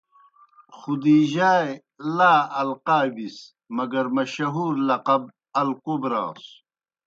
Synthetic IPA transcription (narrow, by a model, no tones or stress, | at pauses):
xud̪iːʑaːe | laːɐlqaːbis | mɐɡɐɾmɐɕɐɦuːɾlɐqɐb̚ | ɐlkobɾa̰ːs